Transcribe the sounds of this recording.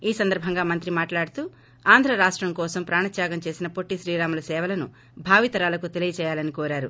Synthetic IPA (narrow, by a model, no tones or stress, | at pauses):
iːsɐnd̪ɐɾbʱɐŋɡaːmɐnt̪ɾimaːʈlaːɽut̪uː | aːnd̪ʱɾɐɾaːʂʈɾɐmkɔːsɐmpɾaːɳɐt̪jaːɡɐmt͡ʃe̞ːsinɐpoʈːiʃɾiːɾaːmulɐsɛːʋɐlɐnṵ | bʱaːʋit̪ɐɾaːlɐkut̪e̞lijɐt͡ʃɛːjaːlɐnikoːɾaːɾu